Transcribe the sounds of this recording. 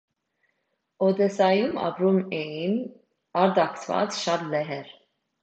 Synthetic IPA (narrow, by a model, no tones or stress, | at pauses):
ɔd̪ɛsajuma̰bɾumɛin | aɾd̪akt̪ʰva̰t͡sʃad̪lɛɦɛɾ